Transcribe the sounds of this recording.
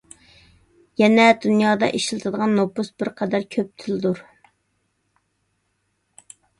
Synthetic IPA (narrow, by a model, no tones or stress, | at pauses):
jɛnɛd̪unjɑːd̪ɑ̰ʔeʃlˠɨt̪ʰɨd̪əʁɑnːopːusbɪɾqʰɛd̪æɾkʲʰøp̚t̪ʰɪlɪd̪uɾ